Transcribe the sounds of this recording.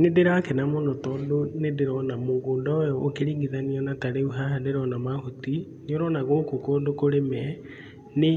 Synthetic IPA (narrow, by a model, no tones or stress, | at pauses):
nedeɾakɛnamonɔtɔːdonedeɾɔnamoŋɡoːndɔojɔokeɾiːŋɡiðaniɔnataɾeuɦadeɾɔnamahoti | nioɾɔnaɣokokɔndokoɾemɛ | ne